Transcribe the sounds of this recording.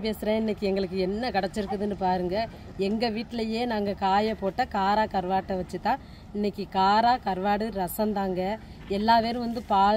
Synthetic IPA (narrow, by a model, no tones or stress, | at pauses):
peːsɪɾɐ̃ɪnːɛkʲːɯɛŋɡɐɭɯkːɯɛnːɐkɐɽɛt͡ʃːɪɾɯkːɯðɯnːɯpaːɾɯŋɡɐ | ɛŋɡɐʋiːʈːɪlɐjeːnaːŋɡɐkaːjɐpoːʈːɐkaːɾaːkɐɾʋaːʈːɐʋɐt͡ʃːɯt̪ːãː | ɪnːɛkʲːɯkaːɾaːkɐɾʋaːɽɯɾɐsɐnd̪aːŋɡɐ | ɛlːaːpeːɾɯ̃ʋɐnd̪ɯpaː